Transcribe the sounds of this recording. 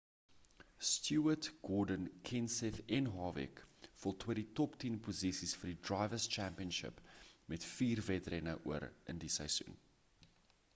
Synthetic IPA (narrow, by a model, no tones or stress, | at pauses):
stʰjuətɡ̥ɔːdənkʰɛnsɛθɛnɦɑːvɛ̰kfɔlˠtʰwəditɔptinpozisisfərdidrɑjvəst͡ʃæmpiənʃə̰pmɛtfiːrvɛtrɛnəʔuəɾə̰ndisəjsṵn